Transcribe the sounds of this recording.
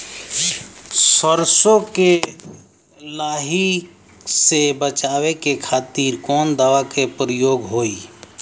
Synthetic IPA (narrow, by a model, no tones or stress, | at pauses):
səɾsõke | laːɦi | sebət͡ʃaːwekekʰaːt̪iːɾkɔːnd̪aːʋakepɾəjoːɡɦoːiː